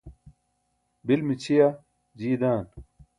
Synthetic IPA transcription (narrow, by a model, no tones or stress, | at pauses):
bilmit͡ɕʰija | d͡ʑiːd̪aːn